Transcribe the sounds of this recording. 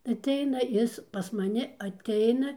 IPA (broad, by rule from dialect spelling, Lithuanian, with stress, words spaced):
ɐtʲˈɛɪnɐ ˈɪs pɐs mɐˈnʲɪ ɐtʲˈɛɪnɐ